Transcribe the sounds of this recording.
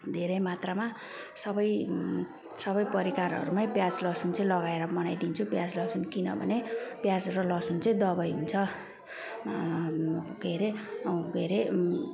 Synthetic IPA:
d̪ʱeɾʌjmat̪rama | sʌbʌj | sʌβʌjpʌɾikaɾɦʌ̰ɾumaj̃pjad͡zlʌsunt͡sʌĩlʌɡaeɾʌmʌnajd̪int͡sʰupjad͡zlʌsunkinʌ̰bʱʌ̰nepjad͡zrʌlʌsunt͡sʌj̃d̪ʌbʌjɦunt͡sʰʌ | ɡʱeɾeɡʱeɾe

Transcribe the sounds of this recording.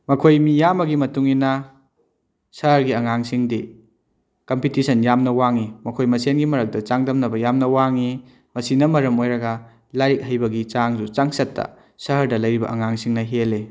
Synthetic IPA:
mɐkʰojmijamɐɡimɐtuŋinɐ | sɐɦɐɾɡiɐŋaŋsiŋdi | kɐmpitisɐnjamnɐwaŋimɐkʰojmɐsenɡimɐɾɐk̚dɐt͡ʃaŋdɐmnɐbɐjamnɐwaŋi | mɐsinɐmɐɾɐmojɾɐɡɐ | lajk̚ɦɐjbɐɡit͡ʃaŋd͡ʒut͡ʃaŋsɐtːɐ̰ | sɐɦɐɾdɐlɐjɾibɐ̰ʔɐŋaŋsiŋnɐɦele

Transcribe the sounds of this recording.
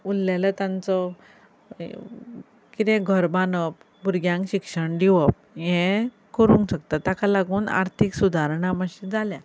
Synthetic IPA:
ulːalat̪ãnt͡sɔ | kit̪ɛ̃ɡʱəɾbanəp̚ | buɾɡjãŋkɕikʂəɳɖ̪iʋəp̚ | jɛ̃ | kəɾũŋkɕəkt̪at̪akalaɡuːna̰ɾt̪ʰiksud̪ʱaɾɳaməɕĩd͡zʱalja

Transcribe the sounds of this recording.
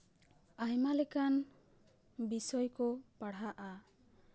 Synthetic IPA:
aɦɛmalɛkan | bisɔjkɔpaɽaʔa

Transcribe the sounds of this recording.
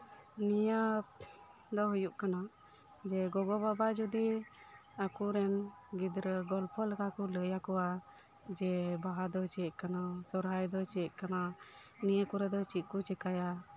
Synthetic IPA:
nija | d̪ɔɦujuʔkana | d͡ʒɛɡɔɡɔbabad͡ʒud̪i | akuɾɛn | ɡid̪ɾəɡɔlpʰɔlɛkakuləjakɔa | d͡ʒɛbaɦad̪ɔt͡ʃɛʔkanasɔɾɦajd̪ɔt͡ʃɛʔkana | nijakuɾɛd̪ɔt͡ʃiʔ̪̚kut͡ʃɛkaja

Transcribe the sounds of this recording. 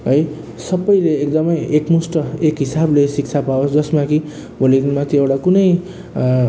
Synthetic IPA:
ɦʌj | sʌbːʌjleːkd̪ʌmʌjekmusʈʌekɦisablesik̚t͡sʰapaosd͡zʌsmaki | bʱʌliɡnmat̪ʰiewɽakunʌj

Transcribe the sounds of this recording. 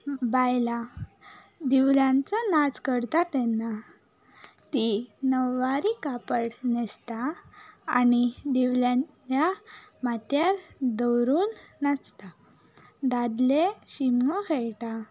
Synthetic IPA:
bajla | d̪iʋljãnt͡sənat͡skəɾt̪at̪ɛnːa | t̪inəʋːaɾikapəɽnɛst̪aanid̪iʋljã | jamat̪jaɾd̪əwɾuːnːat͡st̪a | d̪ad̪leɕiməkʰɛɭʈa

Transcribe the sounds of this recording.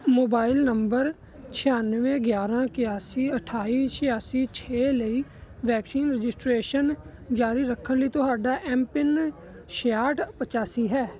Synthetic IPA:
moːbaːɪlnəmbəɾ | t͡ʃʰɪjaːnʋẽːɡjaːɾãːkɪjaːsiːəʈʰaːiːʃɪjaːsiːt͡ʃʰeːləiːʋɛːksiːnɾɪd͡ʒɪsʈɾeːʃənd͡ʒaːɾiːɾəkʰːənləiːt̪ʊɦaːɖaːʔɛːmpɪn | ʃaːʈpət͡ʃaːsiːɦɛː

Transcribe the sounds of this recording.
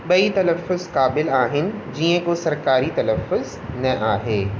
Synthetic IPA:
ɓɐit̪ɐlɐfːʊzkaːbɪlaːɦɪnɪ̆d͡ʒiːẽkosɐɾkaːɾit̪ɐlɐfːʊz | nɐʔaːɦeː

